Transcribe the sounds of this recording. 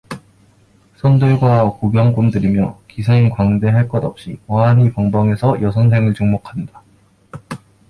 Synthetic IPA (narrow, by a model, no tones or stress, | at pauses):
sʰʌndɯɭɡwakubjʌŋkumdɯɾimjʌkisʰenkwaŋde̞ɦaɭk͈ʌdʌp̚ɕ͈iwaanipʌŋbʌŋe̞sʰʌjʌsʰʌnsʰe̞ŋɯɭt͡ɕuŋmokʰanda